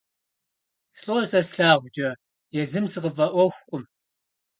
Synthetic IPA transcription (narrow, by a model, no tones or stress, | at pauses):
sɬʼosɐsɬaːʁʷd͡ʒɐ | jɛzɨmsɨqəvɐʔʷɔxʷχʷʼʊm